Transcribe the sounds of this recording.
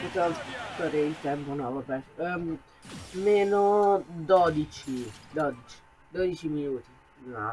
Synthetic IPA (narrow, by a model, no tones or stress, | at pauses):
pikɔt̪aɾeilt̪ɛmponɔvabɛ | meːnod̪ɔd̪it͡ʃid̪ɔd̪it͡ʃi̥ | d̪ɔd̪it͡ʃiminuːt̪i | na